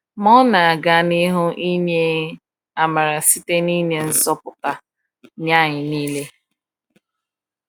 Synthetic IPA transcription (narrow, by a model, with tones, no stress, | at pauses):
mɔ˦na˨a˨ɡa˦nɪ˦ɦʊ˦ʔi˦ɲe˦ | a˨ma˨ɾa˨si˦te˦ni˦ɲe˦n̩˦zɔ˦pʊ˨ka˨ | ɲ˦a˦˨ɲɪ˨niː˦le˦